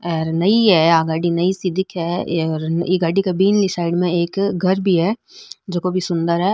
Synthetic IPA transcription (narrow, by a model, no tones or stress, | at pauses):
ɛːɾnɐiɦɛaːɡaːɖinɐisɪd̪ʱɪkɦɛːɾeɡaːɖikabiːnlisaːɪɖmẽeːkɡʱɐɾbʱiɦɛː | d͡ʒoːkobʱisʊ̃nd̪əɾɦɛː